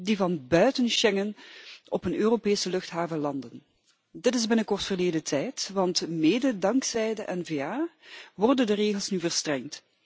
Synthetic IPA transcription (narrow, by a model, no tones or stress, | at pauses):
divɑnbœɥtənʃɛŋənɔpənøːropeːsəlɵxtɦaːvəlɑndən | dɪtɪzbɪnəkɔrtfərleːdətʰɛjtʋɑntmeːdədɑŋksɛjdəʔɛnveːaːʋɔrdəndəreːɣəlˠsnyvərstrɛŋt